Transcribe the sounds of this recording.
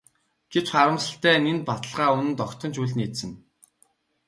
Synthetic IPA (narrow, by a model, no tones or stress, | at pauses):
ɡ̥et͡ɕχaɾə̆msə̆ɬt̪æːnent̪̚pat̪ə̆ɮʁaːunɘ̆nt̪ɔkt̪ʰɞ̆nt͡ɕuɮniːt̪sɘ̆n